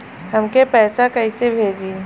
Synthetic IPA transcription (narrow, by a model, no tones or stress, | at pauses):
ɦɐmkepɛːsakɐɪsebʱeːd͡ʒiː